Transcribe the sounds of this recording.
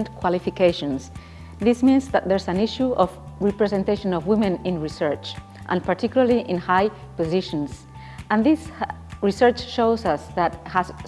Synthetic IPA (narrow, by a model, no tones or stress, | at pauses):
ntkʰwalifikeʃɔ̃ns | ðismĩnzðat̪̚ðɛɹsãniʃuɔv | ɹipɹɛzɛ̃nt̪eʃɔ̃nɔvwĩmɛ̃nĩnɹisɛɹt͡ʃ | ʔə̰̃npaɾt̪ʰikjulaɾliʔɪ̃nhaj | pɔziʃɔ̃ns | ə̃nðis | ɹisɛɹt͡ʃʃoʊzʌsðat̪has